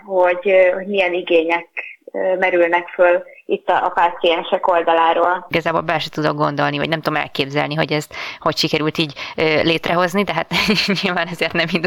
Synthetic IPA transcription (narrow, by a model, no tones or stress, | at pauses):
ho̞ɟho̞ɟmijɛniɡeːɲɛkːmɛɾylnɛkfølit̪ːɒʔːpaːt̪sijɛnʃɛko̞ld̪ɒlaːɾoːlɡɒzaːboːlbɛlʃɛt̪ud̪oɡ̚ɡo̞nd̪o̞lnivɒ̰ɟnɛmt̪uomɛ̰lkeːbzɛ̰lniɦo̞ɟɛst̪ho̞cʃikɛɾylt̪iːɟøleːt̪rɛɦo̞znid̪ɛɦat̪ɲilvaːnɛzeːrt̪nɛmind̪